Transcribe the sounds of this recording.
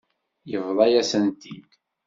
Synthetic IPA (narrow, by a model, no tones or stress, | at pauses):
jəvðˤɑjæsənt̪id̪